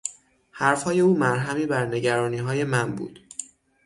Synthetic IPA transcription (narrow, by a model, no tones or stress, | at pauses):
hæɾfhɒːje̞uːmæɾɦæmiːbæɾne̞ɟæɾɒːniːɦɒːje̞mænbṵːd̪̥